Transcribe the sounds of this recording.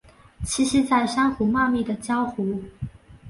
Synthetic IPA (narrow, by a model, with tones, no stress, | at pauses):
t͡ɕʰi˥ɕi˥t͡sa˥˩ɪʂɑ˥ŋxu˧˥ma˥˧mi˥˩d̪ə˩t͡ɕjɑ˥ʊxu˧˥